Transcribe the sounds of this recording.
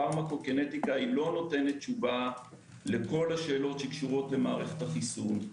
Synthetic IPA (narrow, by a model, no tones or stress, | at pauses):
amako̞kenet̪ikailo̞no̞te̞ne̞t̚t͡ʃuva | le̞ko̞lhaʃe̞ːlo̞tʃekʃuʁo̞tle̞maːʁe̞χet̪haχisun